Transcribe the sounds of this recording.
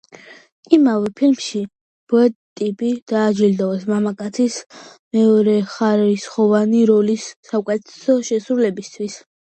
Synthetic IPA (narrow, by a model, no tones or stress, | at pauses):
imavɛpʰilmʃi | b̥ɔɛt̪ʼipʼid̪̥aːd͡ʒild̪ɔvɛsmamakʼat̪sʰismɛɔɾɛχaɾisχɔvaniɾɔlisːaukʼɛt̪ʰɛ̥sɔʃɛsɾulɛbist̪ʰwis